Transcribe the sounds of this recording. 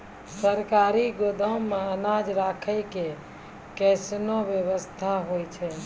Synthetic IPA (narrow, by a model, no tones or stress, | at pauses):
səɾkaɾiɡod̪ʱəmːeənad͡ʒɾakʰəjke | kɛsnobjeβəst̪ʰaɦojt͡ʃʰɛ